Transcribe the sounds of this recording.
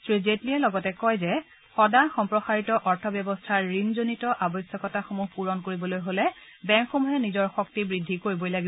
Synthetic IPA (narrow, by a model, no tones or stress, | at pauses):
tɹizetliɛlɔɡɔtɛkɔjzɛ | xɔdaxɔmpɹɔxaɹitɔʔɔɹtʰɔbjɔbɔstʰaɹːinzonitɔʔabɔjsjɔkɔtaxomuɦpuɹɔnkoɹibɔlojɦolɛ | bɛŋkxomuɦɛnizɔɹxɔk̚tibɹidʱːikoɹibɔjlaɡi